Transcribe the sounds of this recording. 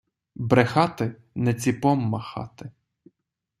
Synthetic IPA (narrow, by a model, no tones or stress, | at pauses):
bɾexɑt̪ɪ | nɛt͡sʲipɔmːɐxɑ̰t̪ɪ